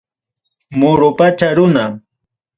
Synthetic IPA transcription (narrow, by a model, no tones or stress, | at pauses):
mʊɾʊpat͡ʃaɾʊna